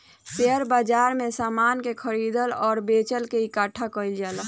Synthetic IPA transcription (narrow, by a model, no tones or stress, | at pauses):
peəɾbad͡ʒaɾmẽsaːmankekʰəɾid̪əlɔːɾbet͡ʃəlkeikaːʈʰakəild͡ʒaːl